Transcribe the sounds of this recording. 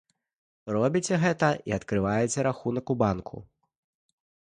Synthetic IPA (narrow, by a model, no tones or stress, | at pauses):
rɔbʲit͡sʲɛɣɛt̪ɐʔiɐt̪kɾɨvajɛt͡sʲɛɾaxunɐkubankʰṵ